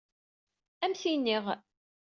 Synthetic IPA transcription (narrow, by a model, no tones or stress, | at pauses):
æmsinːiʁ